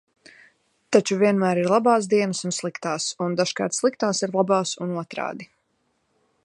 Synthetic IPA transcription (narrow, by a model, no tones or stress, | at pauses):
t̪at͡ʃuviɛnmæːɾiɾlˠabaːs̬d̪iɛnəsunslˠikt̪aːsund̪aʃka̰ːɾt̪slˠik̚t̪aːsiɾlˠabaːsunuɔt̪ɾa̰ːd̪i